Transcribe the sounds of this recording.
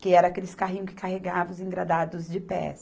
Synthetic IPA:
kɪɛɾɐakelɪskaɦĩɲʊ̃kɪ̥kaɦeɡavɐ̃ʊzĩɡɾad̪ad̪ʊzd͡ʒɪpɛ̰s

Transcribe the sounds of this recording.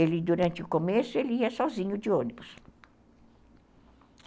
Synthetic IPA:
elɪd̪uɾɐ̃nt͡ʃɪʊkomesʊelɪiɐsɔzĩɲʊd͡ʒɪõnibʊs

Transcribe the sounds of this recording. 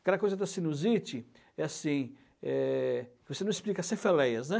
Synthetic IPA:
kɛd̪ɐkojzɐd̪ɐsĩnuzit͡ʃɪ | ɛasĩ | ɛ | vosenɐ̃isplikɐsẽfelɛjɐznɛ

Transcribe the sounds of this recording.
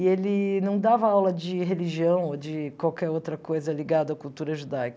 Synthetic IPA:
ɪelɪnɐ̃w̃d̪avɐawlɐd͡ʒɪɦeliʒiɐ̃w̃od͡ʒɪkwawkɛɾowt̪ɾɐkojzɐliɡad̪ʊɐkuwt̪uɾɐʒud̪ajk

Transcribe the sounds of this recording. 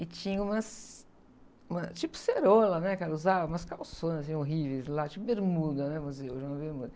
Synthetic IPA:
ɪt͡ʃĩɲɐũmɐs | ũmɐt͡ʃipʊ̥seɾolɐnɛkaɾɐuzavɐũmɐskawsõnzɐs̬ĩoɦivejzlat͡ʃipʊbeɾmud̪ɐnɛ̃muzeʒnɐ̃ɐ̃mɐbeɾmud̪ɐ

